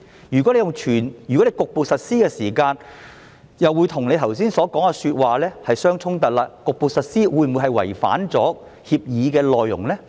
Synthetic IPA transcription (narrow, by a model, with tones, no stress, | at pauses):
jyː˨˩kɔ˨˥le˧jʊ˨ŋt͡ʃʰyː˨˩njyː˨˩kɔ˨˥le˧jkʊ˨k̚po˨˧wsɐ˨t̚siː˥kɛː˧siː˨˩kaː˧n | jɐ˨wu˨˧jt̪ʰʊ˨˩ŋle˨˧jt̪ʰɐ˨˩wsiː˥nsɔː˨˥kɔː˨˥ŋkɛ˧syː˧t̚waː˨lɛː˥hɐ˨jsœː˥ŋt͡sʰʊ˥ŋt̪ɐ˨t̚laː˧kʊ˨k̚po˨wsɐ˨t̚siː˥wuː˨˧jm˨u˨˧jɦɐ˨jwɐ̰˨˩jfa̰ː˨˥nt͡sɔ̰ː˨˥ | hiː˧p̚jiː˨˧kɛː˧lɔː˨jːʊ̰˨˩ŋlɛː˥